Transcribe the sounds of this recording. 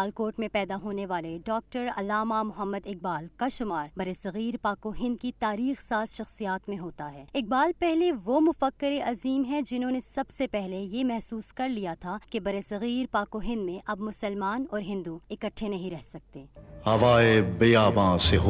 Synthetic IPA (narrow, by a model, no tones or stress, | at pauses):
alkoːɾʈmẽpɛːd̪aɦoːneʋaːleɖɔːk̚ʈəɾɐ̰lːaːmamʊɦəmːəd̪ɪk̚baːlkaʃʊmaːɾbɐɾesɐɣiːɾpaːkoɦɪ̃nd̪̚kit̪aːɾiːxsaːsʃɐxsijaːt̪mẽɦoːt̪aɦɛːɪk̚baːlpɛɦleʋomʊfəkːɪɾeʔɐziːmɦɛ̃d͡ʒɪnɦõːnesɐbsepɛɦlejemɛɦsuːskɐɾlijat̪ʰakebɐɾesɐɣiːɾpaːkoɦɪ̃nd̪mẽʔɐbmʊsəlmaːnɔːɾɦɪ̃nd̪uɪkəʈʰːenɐɦĩɾɛɦsɐk̚t̪eːhɐʋaːebɐjaːbãːseɦ